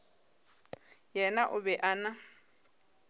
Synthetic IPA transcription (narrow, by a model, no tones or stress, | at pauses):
jɛnaʔʊbɛʔana